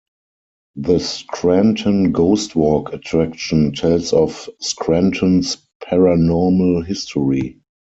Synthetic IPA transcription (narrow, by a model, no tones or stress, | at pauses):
ðəskʰɹæ̃ntʰə̃nɡoʊstwɔkʰatʰɹækʃə̃ntʰɛlsɔfskʰɹæ̃ntʰə̃ns | pʰɛɹanɔməlɦɪstʰɔɹi